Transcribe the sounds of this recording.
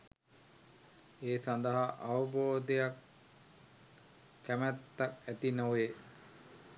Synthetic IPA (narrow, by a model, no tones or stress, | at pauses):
eːsand̪ɐɦaʔaʋuboːd̪ejak | æmæt̪ːakæt̪inoʋe